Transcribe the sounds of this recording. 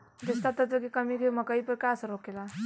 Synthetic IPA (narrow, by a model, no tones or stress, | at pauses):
d̪est̪at̪ət̪əkekʌmikemʌkəipəɾkasɾokela